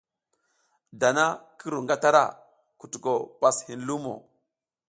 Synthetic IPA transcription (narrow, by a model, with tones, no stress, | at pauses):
da˨na˦ki˦ɾu˨ŋɡa˦ta˦ɾa̰˦ | ku˨tu˨ko˨pa˨shi˨nlu˦mo̰˨